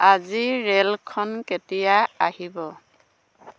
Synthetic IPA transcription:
aziɹelkʰɔnketijaahibɔ

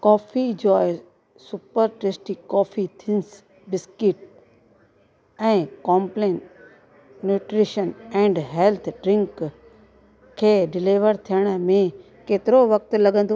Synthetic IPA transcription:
kɔːfʰid͡ʒoːe | sʊpəɾʈɾeːsʈikɔːfʰit̪ʰɪns | bɪskɪʈ | ɛ̃ːkɔ̃ːmplẽːnʈ | nuːʈɾiʃənɛ̃ːɳɖɦelt̪ʰɖɾɪ̃ŋk | kʰːeːɖɪliʋəɾt̪ʰijəɽ̃mẽ | keːt̪ɪɾoʋək̚t̪lɐɡə̃nd̪o

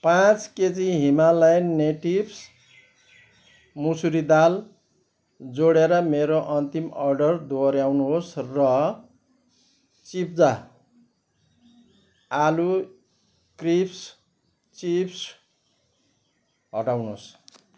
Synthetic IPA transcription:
pãt͡sket͡siɦimalajneʈibs | musuɾid̪al | d͡zoɽeɾʌmeɾoʔʌnt̪imʌrɖʌrd̪oɾjawnuɦosrʌ | t͡sip̚ʰd͡za | alu | kripʰs | t͡sipʰs | ɦʌʈawnos

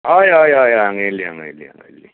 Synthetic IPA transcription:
ɔjɔjɔjɔaŋelːia̰ŋelḭa̰ŋḛlːi

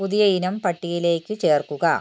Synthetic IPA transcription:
puðijɐinɐmpɐʈːijile̞ːkʲːut͡ɕe̞ːrkuɣɐ

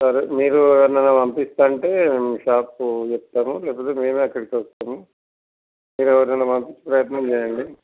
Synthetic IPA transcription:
sɐɾumiːɾuɐnːɐnːɐmɐmpist̪aːɳʈe̞ːemʃaːp̚ut͡ʃɛpt̪ːaːmulɛːpot̪eːme̞ːmeːɐkːɐɽikʋɔst̪ɐmu | miːɾɛʋɐɾnɐnɐmɐmpit͡ʃːi̥pɾɐjɐt̪nɐmt͡ʃɛjɐɳɖi

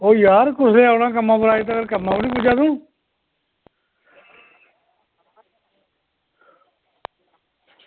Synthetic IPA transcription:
oːjaːɾkʊsleːəpnãːk̬əmːãːpʊɾaːiːt̪̬aːɡəɾkəmːãːpəɽiːpud͡ʒãːd̪ũː

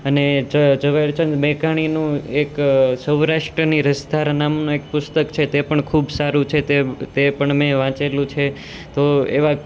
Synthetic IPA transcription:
əned͡ʒəd͡ʒəʋeɾt͡ʃənd͡ʒmekaɽ̃inũeksəwɾaʂʈɾəniɾəsd̪ʱaɾnamnõek̚pʊst̪əkt͡ʃʰet̪epəɳkʰubsaɾũt͡ʃʰet̪et̪epəɳmẽʋãt͡ʃelũt͡ʃʰe | t̪oḛʋa

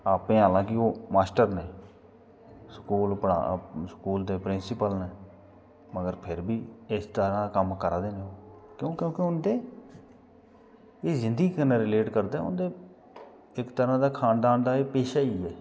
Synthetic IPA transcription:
aːpẽːɦaːlãːkɪoːmaːsʈəɾneː | skuːlpəɽa̰skuːld̪eːpɾɪnsɪpəlneː | məɡəɾpʰɪɾbiːɪst̪əɾãːd̪aːkəmkəɾaːd̪eːneːoːkjõːkjõːkɪʊnd̪eː | eːzɪ̃nd̪əɡiːkəneːɾɪleːʈkəɾd̪aːɛːʊ̰nd̪eː | ɪkt̪əɾãːd̪aːkʰaːnd̪aːnd̪aːeːpeːʃaːiːɛː

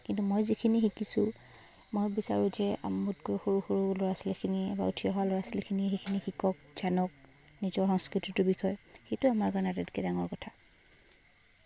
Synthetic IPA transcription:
kintumojzikʰinixikisʊ | mojbisa̰ɹʊ̃zɛa̰mːutɡɔɹxoɹuxoɹulɔɹasilkʰiniɛba̰ṵtʰijɔɦwalɔɹasilkʰiniɛxekʰinixikɔk̚ | zanɔk̚ | nizɔɹxɔŋskɹititubixʰɔj | xejtʊamaɹkanatɛti̥kɛdaŋɔɹkɔtʰa

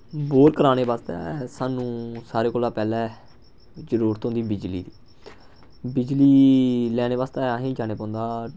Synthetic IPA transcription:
boːɾkəɾaːneːʋaːst̪ɛ̰ːsaːnũːsaːɾeːkoːlaːpɛːlɛː | d͡ʒəɾuːɾət̪ɦõnd̪iːbɪd͡ʒlḭːd̪iː | bɪd͡ʒliːlɛːɽ̃eːʋaːst̪ɛːɦĩːd͡ʒaːneːpãːnd̪aː

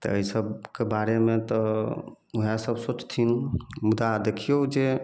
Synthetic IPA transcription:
t̪ɔ̰əisəbkebaɾemet̪ɔ | uɦasəbsot͡ʃt̪ʰinmud̪ad̪ekʰijod͡ʒe

